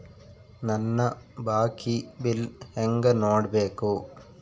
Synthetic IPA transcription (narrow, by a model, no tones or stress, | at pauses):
nɐnːɐbaːkʰːibɪlɛŋɡɐnoːɽbeːkːoː